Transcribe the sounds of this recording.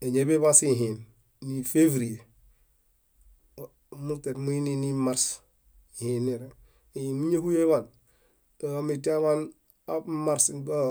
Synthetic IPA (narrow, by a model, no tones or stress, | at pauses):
eɲebeβasiɦinː | ifevɾie | mutetmuininimaɾs | ihinːeɾe | eimuɲehujeβan | amiteβan | amaɾsnba